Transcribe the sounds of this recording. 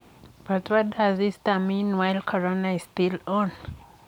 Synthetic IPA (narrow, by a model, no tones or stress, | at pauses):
b̥atwɔtazistamĩnwajlkʰɔɹonaistilɔ̃n